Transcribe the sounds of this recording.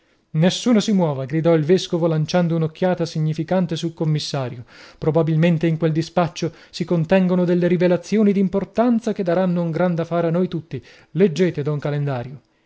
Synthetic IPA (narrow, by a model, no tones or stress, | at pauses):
nesːuːnosimwɔːvaɡɾid̪ɔilveskovolant͡ʃand̪ounokːjaːt̪asiɲːifikant̪esulkomːisːaːɾjopɾobabilment̪eiŋkweld̪ispat͡ʃːo | sikont̪ɛŋɡonod̪elːeɾivelat̪sːjoːnid̪import̪ant̪saked̪ːaɾanːouŋɡɾand̪afaːɾeanːojt̪ut̪ːi | led͡ʒːeːt̪ed̪ɔŋkalend̪aːɾjo